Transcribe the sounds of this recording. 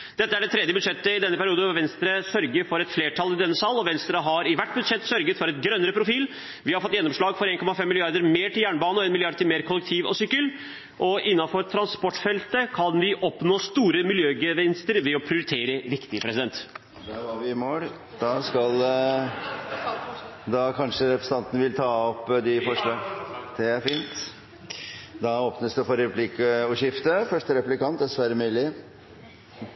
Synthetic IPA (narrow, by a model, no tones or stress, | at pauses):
d̪̥ɛt̪ːəæɖɛt̪ʰɾɛd̪jəbʉd̪ʂɛt̪ːəɪd̪ɛnːəpæɾɪuːd̪əʋɛnst̪ɾəsœɾɡəɾfɔɾɛt̪fleːʈʰɑlɪd̪ɛnːəsɑlːɔʋɛnst̪ɾəɦɑɾɪʋæʈːbʉd̪ʂɛt̪ːsœɾɡət̪fɔɾɛt̪ɡɾœnːəɾəpʰɾʊfiːl | ʋɪhɑɾfɔt̪ːjɛnːɔmʂɭɑːɡfɔɾeːnkʰɔmɑfɛmːɪlɪɑɾd̪əɾmeːʈɪljæːɳbɑːnɔeːnmɪlɪɑɖ̪t̪ɪmeːɾkʰɔlːɛk̚t̪ʰiːʋɔ̰sʏkːəl | ʔɔʔɪnːɑfɔɾt̪ʰɾɑnspɔʈːfɛlt̪əkʰɑnʋɪʔɔpnoːst̪uːɾəmɪljøːɡeʋɛnst̪əɾʋɛɔpʰɾɪʊɾɪt̪ʰeːɾəɾɪkt̪ɪpʰɾɛsɪd̪ɛnt̪ | d̪ɛɑɾʋɪmoːɽ | d̪̥ɑskɑl | d̪ɑkʰɑnʂəɾɛpɾəsəɑnt̪ənəʋɪlt̪ʰɑːɔpːd̪ɪfɔʂɭɑːɡd̪̥ɛæɾfiːnt̪ | d̪ɑoːpnəsd̪ʉfɔɾɛpʰlɪkəəʉːʂɪft̪əfœʂʈəɾɛplɪkɑnt̪̚d̪ɛsʋæːɾəmʉːlɪ